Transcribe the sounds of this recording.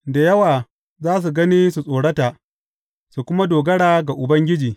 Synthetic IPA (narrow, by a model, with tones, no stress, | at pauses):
da˨jɐ˦waː˨ | zaː˦s̬u˨ɡɐ˦niː˦su˨sʼoː˨ɽɐ˦ta˨ | su˨kʷʊ˦ma˦doː˨ɡɐ˦ɽaː˨ɡa˨ʔʊ˨bɐ˦ŋɡʲɪ˦d͡ʒiː˨